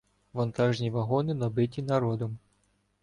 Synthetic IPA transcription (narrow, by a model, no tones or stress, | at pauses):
ʋɐnt̪ɑʒnʲiʋɐɦɔnɪnɔbɪtʲinɐɾɔd̪ɔm